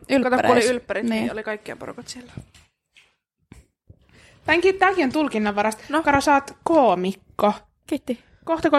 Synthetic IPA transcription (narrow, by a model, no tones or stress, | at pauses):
ylɑt̪okuoliylpːæɾit̪niːo̰likɑikːiɑ̰poɾṵkot̪silːæ | p̪æŋkiːt̪t̪ːækiont̪ulkinːɑʋɑɾɑst̪nokɑɾosɑːt̪koːmikːo | kit̪ːi | koht̪ɑko